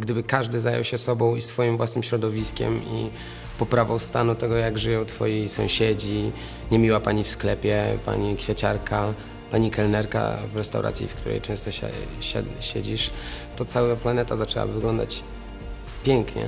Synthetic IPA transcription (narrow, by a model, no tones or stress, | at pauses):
ɡd̪ɘbɘkaʐd̪ɘzajɔ̰wɕɛsɔbɔ̃w̃isfɔjimvwasnɘmɕɾɔd̪ɔvʲiskʲɛ̰mḭ | pɔpɾavɔwst̪anut̪ɛɡɔjaɡʐɨjɔ̃w̃t̪fɔ̰jejsɔ̃w̃ɕɛd͡ʑi | ɲɛmʲiwapaɲifsklɛpʲjɛpa̰ɲikfʲjat͡ɕaɾkʰa | paɲikɛlnɛɾka̰vɾɛst̪a̰wɾa̰t̪sʲjḭfkt̪uɾɛ̰jt͡ʂɛ̃w̃st̪ɔɕɛ̰ɕɛ̰ɕɛ̰d͡ʑiʂt̪ɔt̪sawaplanɛt̪azat͡ʂɛwa̰bvɘɡlɔnd̪at͡ɕ | pʲjɛŋkɲɛ̰